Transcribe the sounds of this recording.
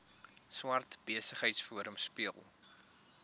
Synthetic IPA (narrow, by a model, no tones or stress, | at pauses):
swɐrtb̥iəsəχɦəjtsfuəɾəmspiəlˠ